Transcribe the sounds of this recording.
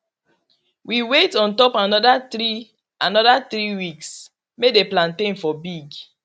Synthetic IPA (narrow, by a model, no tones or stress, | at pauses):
wiwetɔ̃ntɔpanɔdatɾi | anɔdat̪ɾiwiks | medeplãntẽnfɔbiɡ